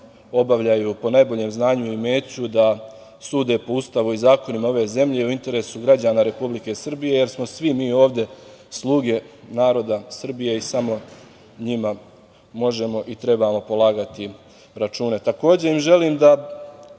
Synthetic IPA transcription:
o̞baʋʎajupo̞najbo̞ʎe̞ːmznaːɲuime̞ːt͡ɕud̪a | suːd̪e̞po̞ust̪aʋuizaːko̞nimao̞ʋeze̞mʎe̞iuint̪e̞ɾe̞ːsuɡɾad͡ʑaːnaːɾe̞publike̞sr̩bije̞je̞ɾsmo̞sʋimiːo̞ːʋd̪e̞ | slˠuːɡe̞naːɾo̞d̪asr̩bije̞isamo̞ | ɲima | mo̞ʒe̞mo̞ʔit̪ɾe̞bamo̞po̞lˠaːɡat̪i | ɾat͡ʃuːne̞t̪ako̞ːd͡ʑe̞imʒe̞liːmd̪a

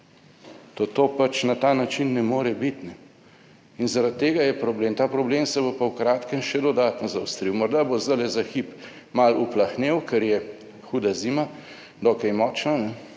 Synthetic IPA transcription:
t̪ot̪oːpat͡ʃnat̪aːnat͡ʃinːɛmoːɾɛbit̪nɛ | inzaɾat̪ːeːɡajɛpɾɔbleːmt̪aːpɾɔbleːmsɛbopawkɾaːt̪kɛmʃɛd̪ɔd̪aːt̪nɔzawst̪ɾiwmɔɾd̪abozd̪alɛzaxip | maluplaxnewkɛɾjɛ | xuːd̪aziːma | d̪ɔkɛjmɔːt͡ʃnanɛ

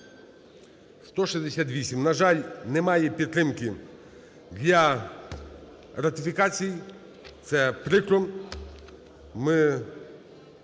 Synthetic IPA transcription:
st̪ɔʃizd̪esʲat̪̬ʋʲisʲimnɐʒɑlʲnɛmɑjɛpʲit̪ːɾɪmkɪ | d̪ʲlʲɐ | rɐt̪ʲɪfʲikɑt͡sʲiji | t̪sɛpɾɪkɾɔm | mɪ

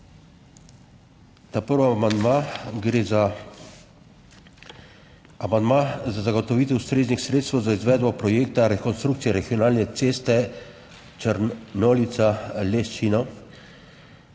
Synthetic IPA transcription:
t̪aːpəɾʋamand̪maɡɾeːza | amand̪maːzazaɡɔt̪ɔʋiːt̪ɛwst̪ɾeːznixsɾeːt̪st̪ʋɛwzaizʋɛːd̪bɔpɾɔjeːkt̪aɾɛkɔnst̪ɾukt̪sijɛɾɛɡiɔnaːlnɛt̪seːst̪ɛ | t͡ʃəɾnɔːlit̪salest͡ʃinɔ

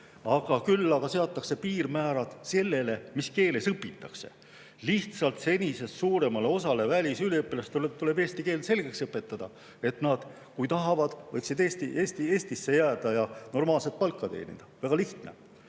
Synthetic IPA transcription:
ɑɡ̥ɑkylːɑɡɑse̞ɑt̪ːˑɑkse̞piːrmæːɾɑd̪̥se̞lːe̞le̞miske̞ːle̞sɯpːˑit̪ːˑɑ̰kse̞̰ | liht̪sɑlt̪se̞nʲise̞ssuːɾe̞mɑleo̞sɑle̞vælʲisyleɯpːilɑst̪ulet̪ule̞be̞ːsʲt̪ikeːlse̞lɡ̥e̞ksɤpːˑe̞t̪ːˑɑd̪̥ɑ | e̞t̪nɑd̪̥ | kujt̪ɑɦɑvɑd̪̥vɤjksid̪eːst̪iʔeːst̪ie̞ːsʲt̪isːe̞jæːd̪̥ɑjɑno̞rmɑːlset̪̚pɑlkːɑt̪e̞̰ːnḭd̪̥ɑvæɡ̥ɑliht̪ne̞̰

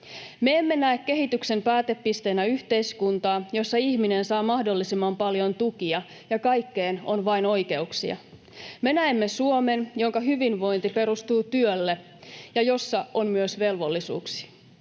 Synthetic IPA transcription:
me̞emːe̞næekke̞ɦit̪ykse̞mpæːt̪e̞pːist̪e̞ːnæyçt̪e̞iskunt̪ɑːjo̞sːɑiçmine̞nsɑːmɑhdo̞lːisimːɑmpɑljo̞nt̪ukiɑ | jɑkɑjkːe̞ːno̞nʋɑino̞jke̞uksḭɑ̰ | me̞næemːe̞suo̞me̞njo̞ŋkɑɦyʋinʋo̞jnt̪ipe̞ɾust̪uːt̪yølːe | jɑjo̞sːɑonmyøsʋe̞lʋo̞lːisṵːksi̥

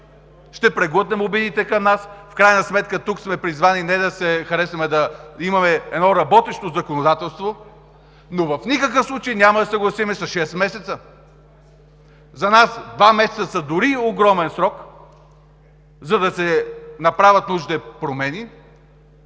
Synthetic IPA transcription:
ʃt̪ɛpɾɛɡət̪nɛmobid̪it̪ɛkɐmnasfkɾajnɐsmɛt̪̚kət̪uksmɛpɾizvaninɛd̪ɐsɛxɐɾɛsvɐmɛd̪ɐimɐmɛɛd̪nɔɾɐbɔt̪ɛʃt̪ozɐkonod̪at̪ɛlˠst̪vo | novɐfnikək̬əfslˠut͡ʃɛjnʲamɐd̪ɐsɐɡlˠɐsimɛsɐʃɛst̪mɛsɛt̪sə | zɐnasd̪vamɛsɛt̪əsɐd̪ʊɾioɡɾɔmɛnsɾɔk | zɐd̪ɐsɛnɐpɾavʲɐt̪nuʒit̪ɛpɾomɛni

